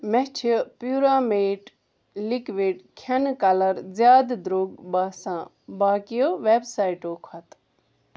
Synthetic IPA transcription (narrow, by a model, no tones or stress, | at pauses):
mɛt͡ʃʰipjuːɾaːmeːʈ | likʋiɖkʰɐnkɐlɐɾzjaːd̪d̪ɾoːɡbaːsãː | baːkijoʋeːbsaːiʈoːkʰɐt̪